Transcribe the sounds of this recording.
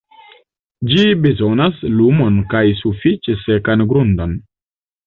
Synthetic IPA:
d͡ʒibezonaslumonkajsufit͡ʃesekanɡɾund̪on

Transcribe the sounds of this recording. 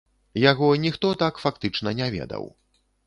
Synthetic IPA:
jaɣɔnʲixt̪ɔt̪akfakt̪ɨt͡ʂnɐnʲɛvʲɛ̰d̪ɐ̰w

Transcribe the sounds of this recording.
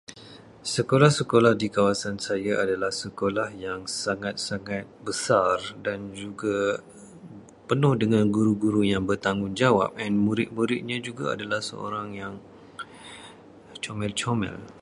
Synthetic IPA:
səkolahsəkolahdikawasansajaʔadalahsəkolahjaŋsaŋãt̪̚saŋat̪̚bəsardand͡ʒuɡa | pənʊhdəŋãnɡuɾuɡuɾujaŋbərt̪aŋɡʊŋd͡ʒawa̰p̚ɛnmuɾɪt̪̚muɾɪt̪̚ɲãd͡ʒuɡa̰a̰dalahsə̰ʔo̰ɾaŋjaŋ | t͡ʃomɛlt͡ʃomɛ̰l

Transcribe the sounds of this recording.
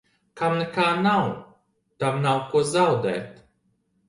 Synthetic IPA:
kɐmnɛkaːnaw | t̪amnawkuzawd̪ɛ̰ːt̪

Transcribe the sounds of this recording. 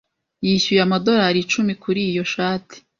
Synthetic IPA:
jiɕujamado̞ɾaɾit͡ʃumikuɾiːjo̞ʃaːtʰi̥

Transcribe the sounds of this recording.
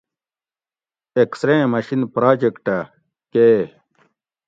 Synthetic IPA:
eksɾẽmɐɕinpɾaːd͡ʑekʈɐ | keː

